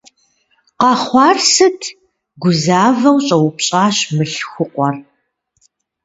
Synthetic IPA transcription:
qɐχʷɑːrsɨtʰ | ɡʷʊzaːvɐwɕʼɐwʊpɕʼaːɕmɨɬxʷʊqʷɔr

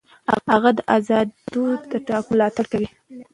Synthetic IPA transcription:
aɣad̪əʔazɑd̪d̪od̪əʈɑkmlɑt̪aɽkawi

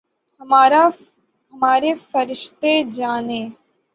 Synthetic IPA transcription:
hɐmaːɾa | ɦɐmaːɾefɐɾɪʃt̪ed͡ʒaːnẽː

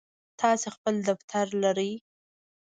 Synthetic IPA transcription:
t̪ʰɑsexpəld̪aft̪ʰaɾlaɾəj

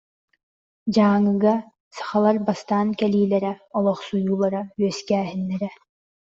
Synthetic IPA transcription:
d͡ʑaːŋɯɡa | sḁχalˠaɾbast̪aːnkɛliːlɛɾɛɔlˠɔχsujuːlˠaɾayœskæːɦinːɛɾɛ

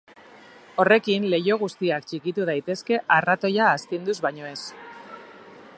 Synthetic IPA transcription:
o̞re̞kinle̞jo̞ɣ̞ust̪iakt͡ʃikit̪uð̞ajt̪e̞ske̞ʔarat̪o̞jaːst̪ind̪uzβaɲo̞e̞s

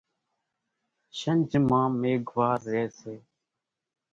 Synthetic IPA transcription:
ʃənd͡ʒmãːmeːɡʋaːɾːeːseː

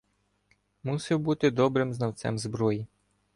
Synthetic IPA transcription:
musɪwbut̪ɪd̪ɔbɾɪmznɐwt̪sɛ̰mzbɾɔji

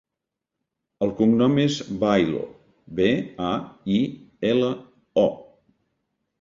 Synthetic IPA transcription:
əlˠkuŋnɔmezbajlo̰ | beaielə | ɔ

